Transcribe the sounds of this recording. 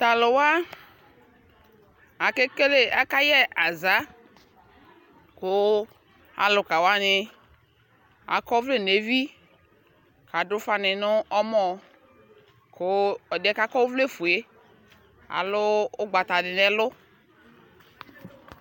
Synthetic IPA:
t̪a˨lʊ˨wa˦ | a˨ke˦ke˦le˦a˨˦ka˦jɛ˦a˨za˨˦ | kʊ˨˦ | a̰˨lʊ˨ka˨wa˦nɪ˦ | a̰˨kɔ˦vle˦˨ne˨vi˦ | kʰa˨dʊ˦fa˦nɪ˨nʊ˦ʔɔ˦mɔ˦ | kʰʊ˨˦ɔ˨dɛ˦ka˦kɔ˦vle˦fu˨e˦ | a̰˨lʊ˦ʊ˦ɡ͡ba˨t̪a˨dɪ˨nɛ˨lʊ˦

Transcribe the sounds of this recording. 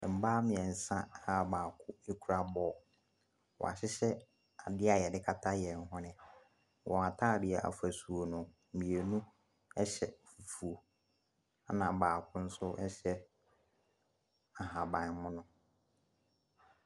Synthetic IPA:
m̩˨baː˦mɪ̃˨ɛ̃˨n̩˨sã˦a˦baː˨kʰʊ˦e˦kʰu˨ɾa˨bɔː˦˨ | wɔ̰˨a˨ɕɪ˦ɕɛ˦ | a˨dɪ˦a˨jɛ˨dɪ˦kʰa˦tʰa˦jɛ˨ŋ̩˨ɦɔ̃˦nɪ̃˨ | wʔɔ̃˨a˨tʰaː˦˨dɪ˨ɛ˨ʔa̰˨fæ˨su˨o˨nʊ̃˨m̩˨mĩ˨e˨nũ˦ | ɛ˦ɕɛ˨fu˨fu˨o˨ | a˦nã˨baː˨kʰʊ̃˦n̩˦sʊ˦ʔɛ˦ɕɛ˦ | a˨ɦã˨bã˨n˦mʊ̃˦nʊ̃˦

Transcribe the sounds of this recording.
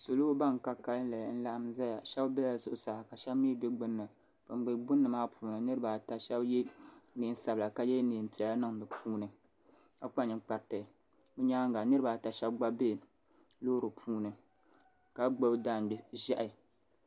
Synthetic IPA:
so˨lo˦ba˦ŋ˨ka˦ka˦lɨ˦la˨jn̩˦la˦ʔa˦mza˦ja˨ʃɛ˦bbɛ˦la˨zʊ˨ʔʊ˨saː˨hka˨ʃɛ˦bmi˦dɨ˦ɡ͡bɨ˦nːɨ˨ | pa˨ŋ͡mɡ͡bɨ˨ɡ͡bʊ˦nːɨ˨maː˦pʰuː˦nɨ˨nɨ˦ɾɨ˦ba˨ta˨ʃɛ˦bjɛ˦ni˨n˦sa˨bla˨ka˨jɛ˦niː˨m̩˨pi˨ɛ˨la˦nɨ˦ŋ˨dɨ˨pʰuː˦nɨ˨ | ka˨k͡pa˦ɲɨ˨k͡pa˨ɾtɨ˨ | o˦ɲaː˦ŋ˦ɡa˨nɨ˦ɾɨ˦ba˨ta˨ʃɛ˦bɡ͡ba˦beː˦˨ | loː˦ɾɨ˨pʰuː˦nɨ˨ | ka˨ɡ͡bo˦bda˦˨m˨ʒa˦ʔɪ˨

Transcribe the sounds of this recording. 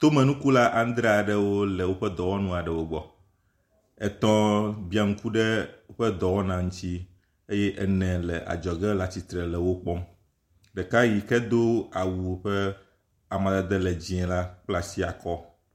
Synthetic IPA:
t̪o˦mɛ̃˨nũ˦ku˦la˦ʔa˦n˦d̪ɾɛ˦a˨ɖɛ˨wo˦lɛ˨wo˦ɸɛ˦d̪ɔ˨wɔ˦nũ˦a˨ɖɛ˨wo˦ɡ͡bɔ˨ | ɛ˨t̪ɔ̃˦bi˦a˨ŋ̩˦ku˦ɖɛ˦wo˦ɸɛ˦d̪ɔ˨wɔ˦nã˨ŋũ˦t̪i˦ | e˦jɛ˦ʔɛ˦nɛ̃˨lɛ˨ʔa̰˨d͡ʒɔ˨ɡɛ˦la˨t͡ɕi˨t̪ɾɛ˨lɛ˨wo˦k͡pɔ˦m | ɖɛ˨ka˦ji˨kɛ˦d̪o˦a˨wu˨˦ɸɛ˦ | a˨mã˨d̪a˨d̪ɛ˦lɛ˨d͡ʑi˨ɛ̃˨la˦k͡pla˦si˦a˨kɔ˦

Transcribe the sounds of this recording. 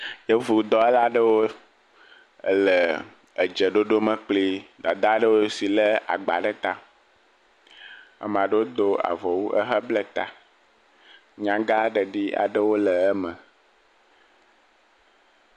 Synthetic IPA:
jə˦vu˨d̪ɔ˦ɛ˦la˦ɖə˦wo˦ | lə˨ | ə˨d͡ʒə˨ɖo˦ɖo˦mə̃˨k͡pli˦d̪a˨d̪a˦ɖə˦wo˦si˨lə˦a̰˨ɡ͡ba̰˨ɖə˦t̪a˦ | a̰˨m̃˨ã˨ɖə˦wo˦d̪o˦a̰˨vɔ˨wu˦ʔə̰˦ɦə˦blɛ˦t̪a̰˨ | ɲã˨ɡa˦ɖə˨ɖi˦a̰˨ɖə˦wo˦lə˨ɛ˦mə̃˨

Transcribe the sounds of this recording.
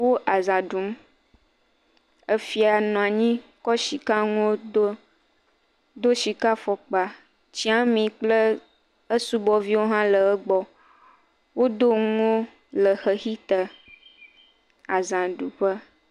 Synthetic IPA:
wo˦ʔa˨zã˨ɖu˨˦m | ə˦fi˦a˨nɔ̃˨a˨ɲĩ˦kɔ˦ʃi˨ka˦ŋo˦o˦ | d̪o˦ʃi˨ka˦fɔ˨k͡pa˨ | t͡ɕi˦a˦mĩ˨k͡plə˦ | ə˦su˦bɔ˨vi˦wo˦ɦã˦lə˨ə˦ɡ͡bɔ˨ | wo˦d̪o˦ŋ˦o˦ | lə˨xə˨xi˦t̪ə˨ | a˨zã˨ɖu˨ɸə˦

